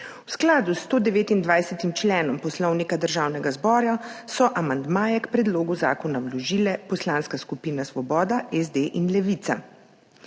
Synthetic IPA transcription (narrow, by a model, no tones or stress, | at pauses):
wsklaːd̪ust̪oːd̪ɛʋeːt̪ind̪ʋajsɛt̪imt͡ʃlɛːnɔmpɔslɔwnikad̪əɾʒaːwnɛɡazbɔːɾjasɔʔamand̪maːjɛkpɾɛd̪loːɡuzaːkɔnawlɔʒilɛpɔslaːnskaskupiːnasʋɔbɔːd̪aʔɛzd̪eʔinlɛʋit̪sa